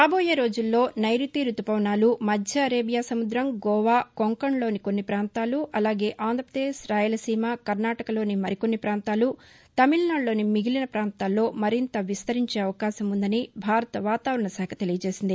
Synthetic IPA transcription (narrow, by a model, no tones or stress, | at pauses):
ɾaːboːjeːɾo̞ːd͡ʒulːo̞ːnɐjɾit̪iːɾut̪ːupɐʋnaːlumɐd̪ʱjɐɐɾeːbijaːsɐmud̪ɾɐmɡɔːʋaːko̞ŋkɐɳlo̞ːniko̞nːipɾaːnt̪aːluʔɐlaːɡe̞ːʔaːnd̪ɾɐpɾɐd̪eːʃɾaːjulɐsiːmaːkɐɾnaːʈɐkɐlo̞ːnimɐɾiko̞nːipɾaːnt̪aːlu | t̪ɐmilnaːɳlo̞ːnimiɡilinɐpɾaːnt̪aːlːo̞ːmɐɾint̪ɐʋist̪ɐɾiɲt͡ʃe̞ːɐʋɐkaːʃɐmund̪ɐnibʱaːɾɐt̪ɐʋaːt̪aːʋɾɐɳɐsɛːkʰɐt̪e̞lijɐt͡ʃe̞ːsind̪i